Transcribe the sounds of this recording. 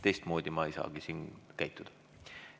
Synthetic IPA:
t̪e̞jst̪mo̞ːd̪̥ʲimɑejsɑ̰ːɡ̥isiːnkæjt̪ːˑud̪̥ɑ̥

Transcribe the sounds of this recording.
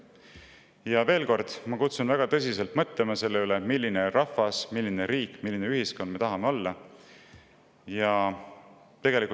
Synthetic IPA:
jɑve̞ːlko̞rd̪̥mɑkut̪sunvæɡ̥ɑt̪ɤs̬ʲise̞lt̪mɤt̪le̞mɑse̞lːe̞yle̞milːine̞ɾɑfɑsmilːine̞ɾiːkːˑmilːine̞yhiskond̪met̪ɑɦɑme̞o̞lːɑ | jɑ | t̪e̞ɡ̥eliku

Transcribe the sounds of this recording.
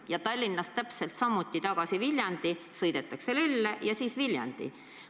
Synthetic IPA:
jɑt̪ɑlʲːinːɑstt̪æpselt̪sɑmːut̪ːit̪ɑɡ̥ɑsivilʲjɑnd̪isɤjd̪̥e̞t̪ːˑɑkselylːejɑsiːsviljɑ̰nd̪̥ḭ

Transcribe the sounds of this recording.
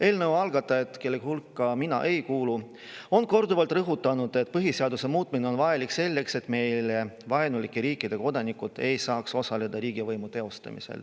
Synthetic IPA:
e̞ːlnəwɑlɡ̥ɑt̪ːˑɑe̞t̪ːˑkelːeɡ̥ihulkːɑminɑ̰ʔe̞jkuːlu | o̞nko̞rd̪uvɑlt̪rɤɦut̪ːˑɑnud̪̥e̞t̪̚ːˑpɤɦiseɑd̪use̞muːt̪ˑmineo̞nvɑjelikse̞lːe̞kse̞t̪ːˑme̞jlevɑenulikːˑeɾiːkːˑid̪̥e̞ko̞d̪ɑnikːut̪e̞jsɑːkso̞sɑle̞d̪ɑɾiːɡivɤjmut̪e̞o̞st̪ɑ̰mḭsḛl

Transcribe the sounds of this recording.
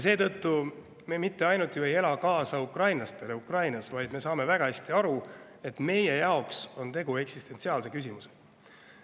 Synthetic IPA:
js̬e̞ːt̪ɤ̞t̪ːu | me̞mit̪ːe̞ɑjnut̪ːˑjue̞je̞lɑkɑːsɑukrɑjnlɑst̪e̞leukrɑjnɑsvɑjd̪me̞sɑːme̞væɡ̥ɑhæsʲt̪iɑɾu | e̞t̪me̞je̞jɑokso̞nt̪e̞ɡ̥ue̞ksist̪e̞nsiɑːlse̞kys̬ʲimuse

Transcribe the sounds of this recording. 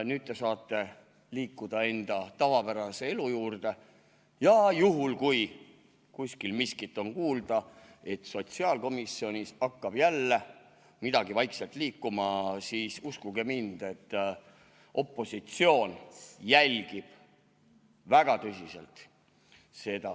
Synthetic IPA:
nyːd̪̚ːe̞sɑːt̪ːˑe̞ | liːkːud̪̥ɑe̞nd̪̥ɑt̪ɑvɑpæɾɑse̞e̞lujuːrd̪̥e̞ | jɑjuɦulkuj | kusʲkilmiskit̪ːˑo̞nkuːld̪̥ɑ | e̞t̪so̞t̪siɑːlko̞misːio̞nʲisɑkːɑb̥jælːe | mid̪̥ɑɡ̥ivɑjkselt̪ˑliːkːumɑsiːsuskuɡemind̪et̪ː | ʔo̞pːˑo̞sit̪sio̞ːnjælʲɡ̥ib̥ | væɡ̥ɑt̪ɤsʲise̞̰lt̪ | se̞d̪ɑ

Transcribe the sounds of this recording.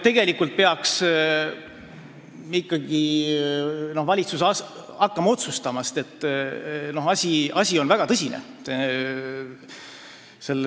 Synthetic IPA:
t̪e̞ɡ̥e̞likːult̪̚pe̞ɑks | ikːɑɡi | no̞hvɑlʲit̪susɑ | ɑkːɑmɑo̞t̪sust̪ɑmɑst̪e̞t̪ˑː | no̞hɑsʲiɑsʲio̞nvæɡ̥ɑt̪ɤsʲinḛ | se̞lː

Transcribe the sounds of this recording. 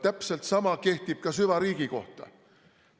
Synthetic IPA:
t̪æpselt̪sɑmɑke̞ht̪ib̥kɑsyvɑɾiːɡ̥iko̞̰ht̪ɑ̰

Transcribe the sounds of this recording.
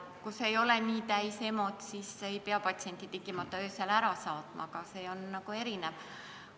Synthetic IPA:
kuse̞jo̞leniːt̪æjse̞mo̞t̪sisejpeɑpɑt̪sie̞nʲt̪ʲit̪ekːˑimɑt̪ˑːɑøːselæɾɑsɑːt̪mʔɑ̰kɑse̞ːo̞nːɑɡ̥ue̞ɾinev

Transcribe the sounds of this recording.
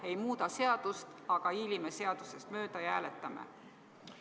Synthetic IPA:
e̞jmuːd̪ɑse̞ɑd̪̥ust̪ɑɡ̥ɑilimeseɑd̪̥use̞st̪mø̞ːd̪̥ɑjɑæːlet̪ˑːɑmḛ

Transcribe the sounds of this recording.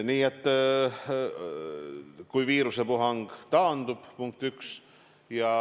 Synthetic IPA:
niːet̪ˑː | kujviːɾusepuɦɑŋɡ̥t̪ɑːnd̪̥ub̥puŋk̚t̪yks | jɑ

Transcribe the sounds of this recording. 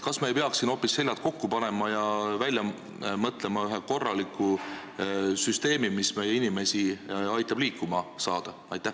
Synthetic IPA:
kɑsmɑejpeɑksino̞ːpːisːe̞lʲːjɑt̪̚ko̞kːupɑne̞mɑjɑvælʲjɑ | mɤt̪ˑle̞mɑyɦeko̞rːɑlikːˑu | syst̪e̞ːmimisme̞jeinime̞siɑjt̪ːˑɑb̥liːkːˑumɑsɑːd̪̥ɑ | ɑjt̪ːˑæh

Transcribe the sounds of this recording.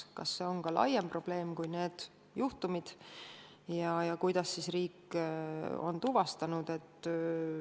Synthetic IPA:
kɑ̰sːe̞o̞nkɑlʔɑ̰jempro̞b̥le̞ːmkujne̞ːd̪̥ | juht̪umid̪̥ | jɑjɑkujd̪̥ɑsːisriːkː | o̞̰nt̪uvɑst̪ɑnud̪̥e̞t̪ː

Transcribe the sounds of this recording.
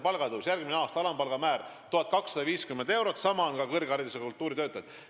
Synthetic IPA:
pɑlɡ̥ɑed̪usjærɡ̥̚mineɑːst̪ɑɑlɑmpɑlɡ̥ɑmæːrt̪uhɑt̪̚kɑksːɑd̪ɑviːskymːend̪e̞wɾot̪ːˑsɑmɑonkɑkɤrɡeɑrd̪isekult̪ːˑuːɾit̪øːt̪ːˑɑd̪̥

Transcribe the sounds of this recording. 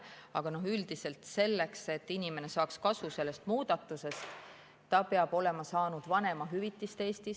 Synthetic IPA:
ɑ̰ɡ̥ɑno̞ɦyld̪̥ise̞lt̪se̞lːe̞kse̞t̪ːinʲime̞ne̞sɑːkskɑsuse̞lːe̞st̪muːd̪̥ɑt̪ːˑuse̞st̪ | t̪ːɑpeɑb̥o̞le̞mɑsɑːnud̪̥vɑne̞mɑɦyvit̪ːˑist̪eːst̪is

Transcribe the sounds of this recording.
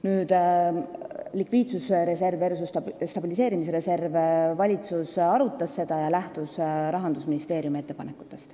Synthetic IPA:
nyːd̪̥ | likviːt̪susɾe̞se̞rvers̬ust̪st̪ɑb̥ilise̞ːɾimis̬eɾe̞se̞rvvɑlʲit̪susɑɾut̪ːˑɑsːe̞d̪̥ɑjɑlæht̪usɾɑɦɑnd̪̥usminist̪e̞ːɾjumie̞t̪ːepɑne̞kːˑu̥t̪ːˑe̞st̪

